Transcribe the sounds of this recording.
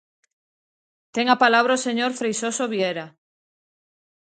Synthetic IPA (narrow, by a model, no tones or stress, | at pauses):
t̪eŋapalaβ̞ɾaoseɲoɾfɾejsosoβjeɾa